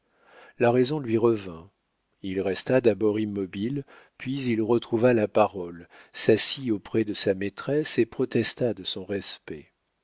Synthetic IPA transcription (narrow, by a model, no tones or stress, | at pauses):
laʁɛzɔ̃lɥiʁəvɛ̃ | ilʁɛst̪ad̪abɔʁimːɔbil | pɥizilʁət̪χuvalapaʁɔlsasiopχɛd̪əsamet̪χɛsepχɔt̪ɛst̪ad̪əsɔ̃ʁɛspɛ